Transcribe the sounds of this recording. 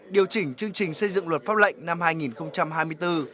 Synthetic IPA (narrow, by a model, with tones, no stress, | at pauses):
ɗi˨˩əwt͡ɕï˨˧˩ŋ̟t͡ɕɨ˧əŋt͡ɕï˨˩ŋ̟sə˧jzɨ̰˧˨ŋlwə˨˩t̚faː˦˥p̚lə̰˧˨jŋ̟na˧mhaː˧jŋi˨˩nxə˧wŋ͡mt͡ɕa˧mhaː˧jmɨ˧əjt̪ɨ˧